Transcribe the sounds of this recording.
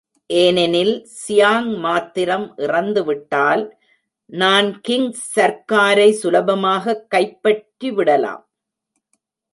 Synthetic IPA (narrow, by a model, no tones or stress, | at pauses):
ʔeːnɛnɪlsɪjaːŋmaːt̪ːɪɾɐmʔɪrɐnd̪ɯʋɪʈːaːl | naːnkɪŋːɐɾkaːɾɐɪsʊlɐbɐmaːɣɐkːɐɪpːɐʈːɾiʋɪɽɐla̰ːm